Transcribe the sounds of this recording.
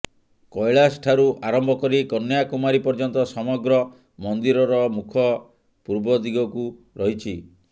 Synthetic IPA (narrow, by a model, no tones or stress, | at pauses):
kɔjɭasʈʰaɾuʔaɾɔmbʱɔkɔɾikɔnjakumaɾipɔɾd͡ʒɔnt̪ɔsɔmɔɡɾɔ | mɔnd̪iɾɔɾɔmukʰɔ | puɾbɔd̪iɡɔku | ɾɔɦit͡ʃʰi